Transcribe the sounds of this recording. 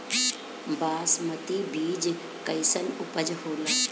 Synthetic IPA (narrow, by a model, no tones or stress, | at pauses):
baːsmɐt̪iːbʱiːd͡ʒ | kɐisənʊpəd͡ʒhoːlɐ